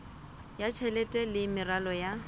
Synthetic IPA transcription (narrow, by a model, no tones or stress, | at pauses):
jat͡ʃʰɛlɛtʼɛlɪmɪralɔja